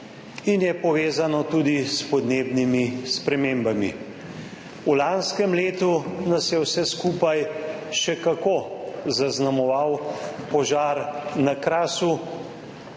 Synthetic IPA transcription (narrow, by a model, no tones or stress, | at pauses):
injɛpɔʋeːzanɔt̪uːd̪ispɔd̪neːbnimispɾɛmeːmbami | ulanskɛmleːt̪unasjɛwsɛskuːpajʃɛkakozaznamɔʋawpɔʒaːɾnakɾaːsu